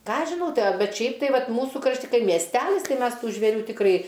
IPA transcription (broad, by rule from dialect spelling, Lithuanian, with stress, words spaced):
ˈkɑː ɐʃ ʒʲɪˈnɐʊ ˈtɐɪ ɐˈbʲɛt ˈʃʲɛɪp tɐɪ ˈʋɐt ˈmuːsʊ krɐʃʲˈtʲɪ ˈkɐɪ mʲiɛsʲˈtʲælʲɪs ˈtɐɪ ˈmʲɛs ˈtuː ʒʲʋʲeːˈrʲuː tʲɪkˈrɐɪ